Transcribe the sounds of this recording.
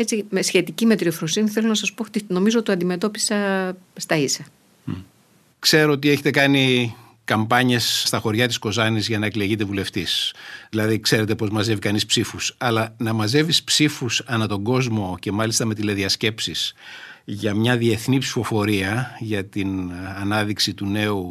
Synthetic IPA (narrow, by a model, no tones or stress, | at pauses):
et͡ssimesçe̞t̪icimet̪ɾiofɾosiniθelo̞nɐsɐspot̪ino̞mizoot̪ɐnd̪ime̞t̪o̞pisɐ | st̪ɐisɐ | kse̞ɾoot̪ieçet̪ekɐni | kɐmbɐɲe̞sːt̪ɐxo̞ɾʝɐt̪i̥sko̞zɐnizʝɐnɐekle̞ʝit̪e̞vule̞ft̪isðilɐðikse̞ɾe̞t̪e̞po̞zmɐze̞vikɐnispsifusɐlɐnɐmɐze̞vispsifusɐnɐt̪o̞ŋɡo̞zmo̞ce̞mɐlist̪ɐme̞t̪ileðiɐsce̞psis | ʝɐmɲɐðie̞θnipsi̥fo̞fo̞ɾiɐʝɐt̪inɐnɐðiksit̪une̞u